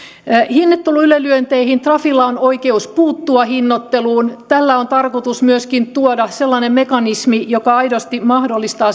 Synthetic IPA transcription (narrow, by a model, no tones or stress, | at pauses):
hinːet̪ːulːuylølyønt̪eihint̪rɑfilːɑonoikeuspuːt̪ːuɑhinːot̪ːeluːnt̪ælːæont̪ɑrkot̪usmyøskint̪uodɑselːɑnemmekɑnismijokɑɑidost̪imɑhdolːist̪ɑː